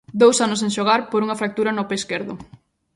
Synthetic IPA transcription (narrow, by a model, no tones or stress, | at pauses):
d̪owsanʊs̬ẽŋʃoɣ̞aɾpoɾuŋɐfɾak̚t̪uɾɐnopeskeɾðʊ